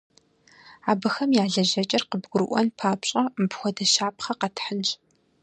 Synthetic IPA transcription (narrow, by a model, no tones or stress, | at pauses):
aːbɐxɐmjaːɮɐʒɐt͡ʃʼɐrqəbɡʷʊɾɨʔʷɔ̰npʰaːpɕʼɐmbxʷɔdɐʃaːpʰχɐqɐtʰħənt͡ʃʼ